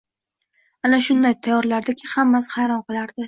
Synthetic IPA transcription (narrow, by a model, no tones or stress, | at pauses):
anaʃʊnd̪ajt̪ʰajɒɾlaɾd̪akʲʰɪhamːashajɾɒnqɨlˠaɾd̪ɪ